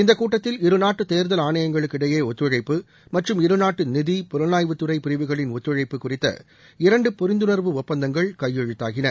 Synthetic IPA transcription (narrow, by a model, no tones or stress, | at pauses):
ɪnd̪ɐkːuːʈːɐt̪ːɪlɪɾɯnaːʈːɯt̪eːɾðɐlaːɳɐjɐŋɡɐɭɯkːɪɽɐjeːɔt̪ːɾɯɻɐɪpːɯ | mɐʈrɯmɪɾɯnaːʈːɯnɪðipɔɾɐnaːjʋɯt̪ːɯɾɐɪpɪɾɪʋɯɣɐɭɪnɔt̪ːɾɯɻɐɪpːɯkːʊrɪt̪ːɐ̰ | ɪɾɐɳɖɯpɔɾɪnd̪ɯnɐɾʋɯɔpːɐnd̪ɐŋɡɐɭkɐjːɛɻɯt̪ːa̰ːɣɪnɐ